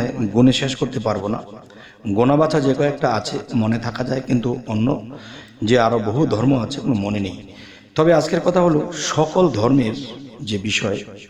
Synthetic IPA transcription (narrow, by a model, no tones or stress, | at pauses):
eɡuneʃeʃkoɾt̪epaɾbona̰ | ɡonabat͡ɕʰad͡ʑekɔɛk̚ʈaat͡ɕʰemonet̪ʰakad͡ʑaekint̪uonːo | d͡ʑeaɾoboɦud̪ʱɔɾmoat͡ɕʰekonomonenej | t̪ɔbead͡ʑkeɾkɔt̪ʰaɦoloʃɔkold̪ʱɔɾmeɾd͡ʑebiʃɔe